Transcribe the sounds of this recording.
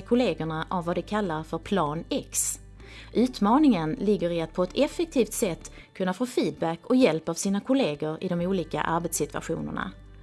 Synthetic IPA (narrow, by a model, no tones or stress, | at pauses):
kʰʊleːɡəɳaʔavːad̪ɛkʰalːaɾfœɾpʰlɑːnɛks | ʔʉ̟ːt̪mɑːnɪŋənlɪɡːəɾɪat̪̚pʰɔɛt̪ʰɛfɛk̚t̪ʰiːft̪sɛt̪ː | kʰɵnːafoːfiːd̪̚bækːɔjɛlpavsiːnakʰʊleːɡəɾɪ̰d̪ɔmuːliːka̰ʔaɾbɛt̪sɪt̪ɵ̥a̰ɧṵːnə̰ɳa̰